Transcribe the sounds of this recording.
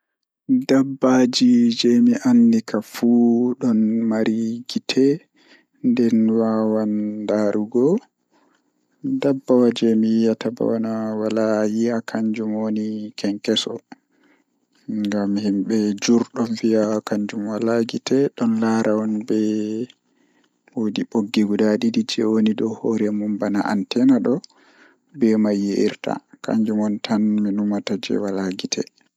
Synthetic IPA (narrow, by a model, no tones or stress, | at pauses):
dabːad͡ʒid͡ʒɛmiʔanːdikafuɗɔnmaɾiɡitʰɛ | ndɛnwawandaɾʔuɡɔ | dabːawad͡ʒɛmijijataba̰wanawalajiakʰaɲd͡ʒumonikɛŋkɛsɔ | ŋɡamːihimɓɛd͡ʒuɾɗɔnviakaɲd͡ʒumwalaɡitɛɗɔnlaɾaɔnbɛ | wodiɓoɡːiɡudadidid͡ʒɛwonidɔhoɾɛmumbanaʔa̰ntɛnaɗɔ | bɛmajːiʔiɾta̰ka̰ɲd͡ʒumɔntʰanminumatad͡ʒɛ̰walaɡitʰɛ̰